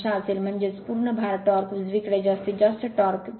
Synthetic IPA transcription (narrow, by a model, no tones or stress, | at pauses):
ʃaːsilmɐnd͡ʒespuːɾɳəbʱaːɾət̪ːɔːɾkzʋikɾed͡ʒɐst̪id͡ʒɐst̪ʈɔːɾk